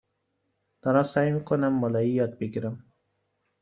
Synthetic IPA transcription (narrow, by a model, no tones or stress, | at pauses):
d̪̥aɾasajmikʊnamːɔlaijɒd̪̚biɡiɾam